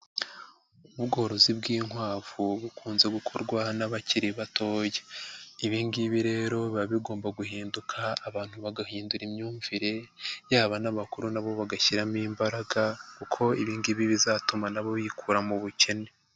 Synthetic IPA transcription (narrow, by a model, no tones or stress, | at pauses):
ubɡo̞ːɾo̞zibɡiːŋhwaːvuβukʰuːnze̞ɡukʰo̞ɾɡwanaβaciɾiβatʰo̞ːjeiβiːndiβiɾe̞ːɾo̞βaβiɡo̞ːmbaɡuhiːndukʰaːβaːn̥huβaɡahiːnduɾimɲuːɱviɾe̞jaːβanaβakuɾunaβo̞βaɡaçiɾamiːmbaɾaɡakukʰo̞iβiːndiβiβizaːtumanaβo̞βikʰuːɾamuβuce̞ne̞